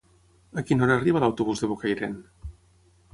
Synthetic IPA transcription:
əkinɔɾaːriβalawt̪uβuzðeβokajɾen

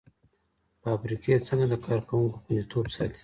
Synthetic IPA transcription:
pəafɾiket͡səŋɡad̪əkʰɑɾkawuŋkokunit̪ʰoːɾsɑ̰ːt̪i̥

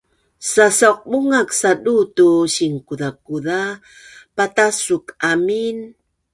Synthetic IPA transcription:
sasawq̚buŋaksadutuɕiŋkuðakuða | patasukamin

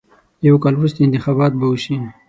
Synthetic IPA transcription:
jawkɑlwɾust̪eɪnt̪ɪxɑbɑt̪̚bawuʃi

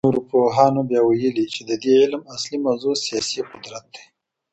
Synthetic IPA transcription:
oɾopoɦɑnobjɑwajəlit͡ʃed̪əd̪eɪlmaslimazusijɑsiqʊd̪ɾat̪̚d̪e̥

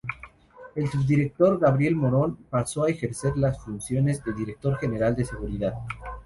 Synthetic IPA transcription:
e̞lsuβd̪iɾe̞k̚t̪o̞ɾɣaβɾje̞lmo̞ɾo̞npaso̞ae̞xe̞ɾse̞ɾlasfunsjo̞ne̞zðeld̪iɾe̞k̚t̪o̞ɾxe̞ne̞ɾald̪e̞se̞ɣuɾiðað

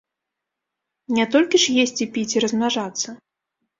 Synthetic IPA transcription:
nʲɛt̪ɔlʲkʲiʂjesʲt͡sʲipʲit͡sʲirɐzmʲaʐat̪sːɐ

